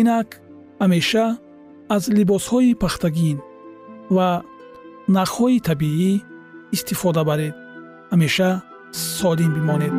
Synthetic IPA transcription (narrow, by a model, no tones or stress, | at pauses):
inak | hameʃaː | zlibɔshɔipʰaχt̪ʰaɡin | va | naχhɔit̪ʰabiiː | st̪ifɔd̪abaɾed̪ | hameʃa | sɔlimbimɔned̪̥